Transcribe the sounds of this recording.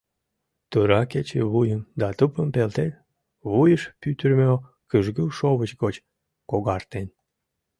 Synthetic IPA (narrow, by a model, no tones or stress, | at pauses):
t̪uɾɑket͡ɕḛβujənd̪ɑt̪əpəmpelt̪et̪ | βujəʃpyt̪ərmøo | kəʒɡəwʃoβət͡ɕɡot͡ɕ | koɣɑrt̪en